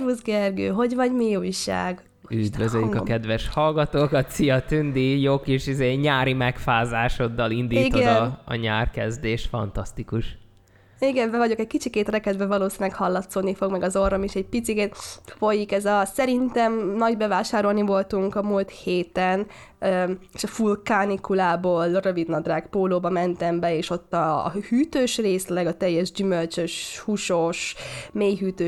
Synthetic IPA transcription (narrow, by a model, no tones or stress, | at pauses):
uzɡɛrɡø̰ːɦo̞ɟvɒɟmiuːjʃa̰ːɡ | yd̪vøzøjykɒkɛd̪ʋɛʃhɒlɡɒt̪oːkɒt̪sijɒt̪ynd̪ijokeʃizeːɲaːɾimɛkfaːzaːʃo̞d̪ːɒlind̪iːit̪ɡoɛd̪ɒ̰ːɲaːrkɛzd̪eːʃfɒ̰nt̪ɒst̪ikuʃ | iɡɛmbɛvɒɟo̞kɛckit͡ʃikeːt̪rɛkɛd̪bɛvɒloːsinlɛkhɒlːɒt̪soːd̪nifo̞ɡmɛɡɒzo̞romiʃɛɟ̚pit̪sikeːt̪fo̞jikɛzɒsɛɾint̪ɛmnɒɟbɛvaːʃaːɾo̞lnivo̞lt̪uŋkɒmult̪heːt̪ɛn | eʃɒfulkaːnikulaːboːlrø̞vid̪nɒd̪raːkpoːloːbɒmɛnt̪ɛmbɛeːʃo̞t̪ːɒ̰ːhyːt̪øːʃreːslɛɡɒt̪ɛjːɛʒɟymølt͡ʃøʃhuʃoːʃmeːjɦyːt̪øː